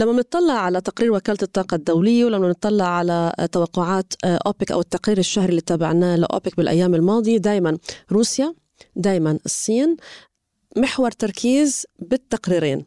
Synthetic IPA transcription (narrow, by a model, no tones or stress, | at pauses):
lamːabɪnɨt̪ˤːɑlːɑʕʕalat̪aqɾiːɾwakaːlt̪ɨt̪ˤːɑːqɑd̪ːawlɪjːawlamːanɨt̪ˤːɑlːɪʕʕalat̪awɑqːʊʕaːt̪ʔoːpɪkʔa̰wɪt̪ːaqɾiːɾɪʃːahɾiɪlːiːt̪aːbaʕnaːla̰ʔo̰ːpɪkbɪlʔa̰jːaːmɪlmɑːd̪ˤijd̪aːjmanɾuːsja | d̪aːjmanɨsˤːiːn | mɪħwɑɾˤt̪ɑɾˤkʰiːzbɪt̪ːaqɾiːɾeːn